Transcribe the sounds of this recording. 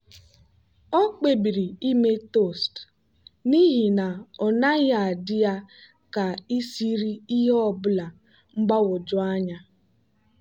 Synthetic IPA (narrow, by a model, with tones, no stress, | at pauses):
ɔ˦k͡pe˨bi˨ɾi˨i˦me˦to˦˨st | ni˦ɦi˨na˨ɔ˨na˦ɣa˨dɪ˦ja˦ | ka˨i˦si˦ɾi˦i˦ɦɔ˦˨bʊ˦la˨ | ŋ͡m̩˦ɡ͡ba˦wʊ˨d͡ʒʊ˦a˦ɲa˦